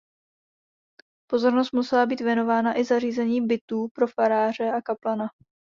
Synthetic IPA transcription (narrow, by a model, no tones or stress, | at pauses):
po̞zo̞ɾno̞s̬t̪musɛlabiːt̪vjɛno̞vaːnaʔɪzariːzɛɲiːbɪt̪uːpɾo̞faɾaːr̝ɛakaplana